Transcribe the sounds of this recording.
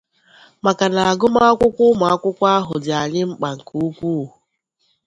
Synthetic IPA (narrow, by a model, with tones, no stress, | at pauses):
ma˨ka˨na˨a˨ɡʊ˦ma˦a˦kʷʊ˦kʷʊ˦ma˨a˦kʷʊ˦kʷa˦ɦʊ˨dɪ˨a˨ɲɪ˦ŋ͡m̩˦k͡pa˨ŋ̩˨ku˦u˦kʷu˦˨u˨